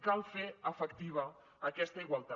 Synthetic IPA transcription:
kalˠfeəfəkt̪iβ̞əː | kɛst̪əiɣwalˠt̪a

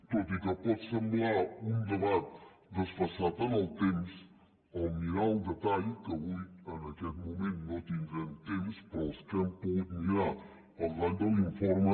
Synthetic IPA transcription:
t̪ot̪ikəpɔt̪səmblaund̪əβat̪̚ | d̪əsfɐsat̪analt̪ems | ɐwmiɾaud̪ət̪aʎkəβujənɐkɛt̪mumẽnt̪nõt̪inɡɛnt̪emspɾɔskɛmpoɣut̪miɾa | ɐɣaʎd̪ɐliɱfɔɾmɐ

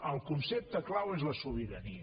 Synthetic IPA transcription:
əlˠkunsep̚t̪əklawezləsuβiɾəni

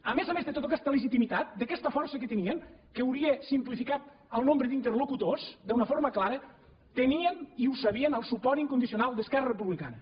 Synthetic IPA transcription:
əmezəmezðet̪ot̪okɛst̪ələʒit̪imit̪at̪̚d̪əkɛst̪əfɔrsəkət̪əniəŋkəwɾiəsimplifikat̪̚ | əlˠnombɾəðint̪ərlukut̪osd̪unəfoɾməklaɾə | t̪əniəniusəβ̞iənəlˠsupɔɾt̪iŋkund̪isiunalˠd̪əskɛrərəpuβlika̰nə

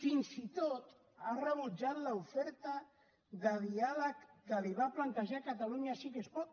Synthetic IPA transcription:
finsit̪ot̪ | arəβ̞ud͡ʒat̪laufɛɾt̪a | ðaðialəkd̪aliβaplant̪aʒakat̪aluɲasikespɔt̪̚

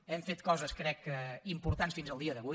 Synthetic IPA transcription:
ɛɱfet̪̚kɔzɐskɾɛkɛimpuɾt̪ant̪sfinzalˠd̪iɐðəβu

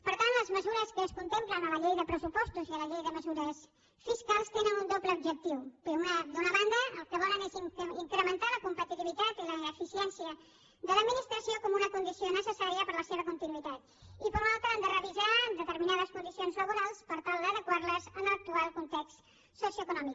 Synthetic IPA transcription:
pəɾt̪ant̪ləzməzuɾəskəːskunt̪emplənələʎejðəpɾəsupɔst̪uziələʎejðəməzuɾəs | fiskalˠst̪enənund̪opləubʒək̚t̪iwmad̪unəβand̪əːlˠkəβɔləneziŋkɾəmənt̪aləkumpət̪it̪iβit̪at̪iləːfisiɛnsiə | d̪ələd̪minist̪ɾəsiokɔmunəkund̪isionəsəsaɾiəpəɾləseβ̞əkunt̪inuit̪at̪ | ipəɾunalˠt̪ənd̪ərəβizad̪ət̪əɾminaðəskund̪isionzləβuɾalˠspəɾt̪alˠd̪əðəkwaɾləzənlək̚t̪ualˠkunt̪ɛkst̪ | sosiuoəkunɔmik

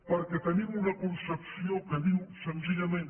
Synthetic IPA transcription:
pəɾket̪ənimunakunsəpsiokəðiwsənziʎamẽn

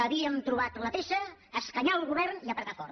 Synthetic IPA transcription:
əβiəmt̪ɾuβat̪ləpeʃəːskəɲalˠɣuβɛɾniəpɾət̪afɔɾ

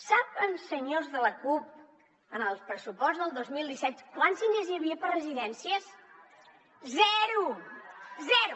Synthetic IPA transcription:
sapənsəɲozðələkup̚ | ənəlˠspɾəsupɔstzðəlˠd̪ozmilˠd̪isɛt̪kwansiɲezjəβiəpərəziðɛnsiəs | zɛɾu | zɛɾu

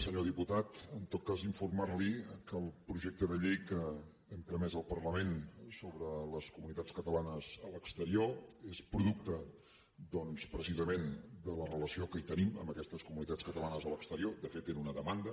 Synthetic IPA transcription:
səɲoðiput̪at̪ənt̪ot̪̚kaziɱfurmarlikəlˠpɾuʒek̚t̪əðəʎejkə | ɛmpɾəmɛzəlˠpərləmensoβɾələskumunit̪at͡skət̪əlanəzələkst̪əɾioespɾuðuk̚t̪ə | d̪ɔnspɾəsizəmend̪ələrələsiokəit̪ənimə̰mbəkɛst̪əskumunit̪at͡skət̪əlanəzələkst̪əɾiod̪əfet̪ːenunəðəmand̪ə

